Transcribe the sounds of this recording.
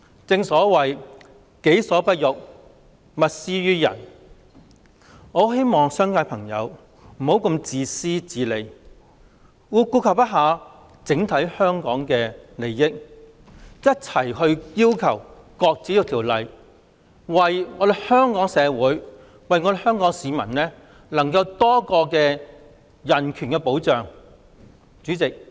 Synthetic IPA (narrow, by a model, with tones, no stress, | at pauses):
t͡sɪ˧ŋsɔː˨˥wɐ˨j | ke˨˥jsɔː˨˥pɐ˥t̚jʊ˨k̚ | mɐ˨t̚siː˥jyː˥jɐ̰˨˩n | ŋɔː˨˧ɦe˥jmɔː˨ŋsœː˥ŋkaː˧jpʰɐ˨˩ŋjɐ̰˨˧w | m̩˨˩ho˨˥wkɐ˧mt͡siː˨˧siː˥t͡siː˨˧le˨˧j | wuː˨˧kuː˧kʰɐ˨wpɐ˥t̚ɦaː˨˧ | t͡sɪ˨˥ŋt̪ʰɐ˨˥jhœː˥ŋkɔː˨˥ŋkɛː˧le˨jːɪ˥k̚ | jɐ˥t̚t͡sʰɐ˨˩jhɵ˧ɥjiː˥wkʰɐ˨˩w | kɔː˧k̚t͡si˨˥jʊ˧t̪ʰi˨˩wlɐ˨j | wɐ˨jŋɔː˨˧d̪e˨˩jhœː˥ŋkɔː˨˥ŋsɛː˨˧wuː˨˥j | wɐ˨jŋɔː˨˧d̪e˨˧hœː˥ŋkɔː˨˥ŋsiː˨˧mɐ˨˩nlɛː˥ | lɐ˨˩ŋkɐ˧wt̪ɔː˥kɔː˧kɛː˧ | jɐ˨˩nkʰyː˨˩nkɛ˧po˨˥wt͡ʃœː˨ŋ | t͡ʃyː˨˥t͡sɪ˨k̚